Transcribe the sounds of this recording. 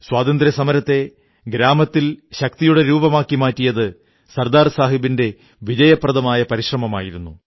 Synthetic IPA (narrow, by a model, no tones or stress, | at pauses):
swaːd̪ɐnd̪ɾɐsɐmɐɾɐt̪ːe̞ | ɡɾaːmɐt̪ːilɕɐk̚t̪ijuɽe̞ɾuːbɐmaːkːimaːtːijɐðɨ | sɐrd̪aːrsaːɦibinde̞ | ʋid͡ʑɐjɐprɐðɐmaːjɐpɐɾiɕrɐmɐmaːjiɾunːu